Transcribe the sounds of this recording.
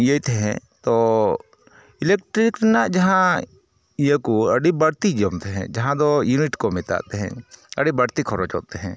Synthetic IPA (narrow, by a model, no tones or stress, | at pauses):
jəjt̪ʰɛɦɛ̰̃t̪ɔ | ilekʈɾikɾɛnaʔd͡ʒɐɦã | ijəkuəɖibəɽt̪id͡ʒəmt̪ʰɛɦɛ̰̃d͡ʒɐɦãd̪ɔjuniʈkɔmɪt̪a̰ʔt̪ɛɦɛ̰̃ə̰ɖibɐɽt̪ikʰɔɾɔt͡ʃɔ̰ʔt̪ɛɦɛ̃